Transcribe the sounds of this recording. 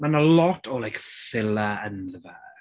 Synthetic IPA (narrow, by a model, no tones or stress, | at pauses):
manəlɔtʰɔlajkfɪlaənðəvaː